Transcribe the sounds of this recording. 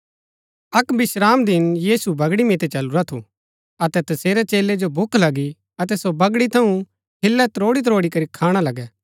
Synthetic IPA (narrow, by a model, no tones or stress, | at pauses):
ɐkbɪʃɾaːmd̪ɪnjiːsubɐɡɽimɪt̪ɛt͡ʃɐluɾat̪ʰṵ | ɐt̪ɛt̪ɐseːɾɛt͡ʃeːled͡ʒobʱʊkʰlɐɡi | ɐt̪ɛsobɐɡɽit̪ʰɐũ | ɦɪlːɛt̪ɾoːɽit̪̬ɾoːɽikɐɾikʰaːɽ̃alɐɡɛː